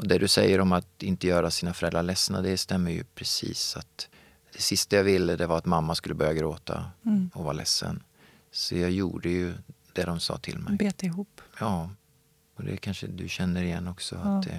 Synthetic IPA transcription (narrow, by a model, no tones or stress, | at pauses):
ʔɔd̪ɛd̪ɵsɛjːəɾɔmat̪ɪnt̪əjœːɾasiːnafœɾɛlɾaɭɛsnad̪ɛst̪ɛmːəjɵ̰pʰɾɛsḭːsat̪ | d̪̥ɛsɪst̪ajaːvɪlːəd̪ɛvaɾat̪mamːaskɵlːəbœɾjaɡɾoːt̪ʰa̰ɔvɑːɾlɛsːə̰n | sɔjɑːjuːɖəjɵd̪̥ɛd̪ɔmsɑ̰ːt̪ʰɪ̰lmɛ̰beːt̪ɪɦuːpjɑː | ɔd̪ɛ̰kʰanʂə̰d̪ɵɕɛnːəɾɪjɛnːɔksɔ̰at̪d̪ɛ̰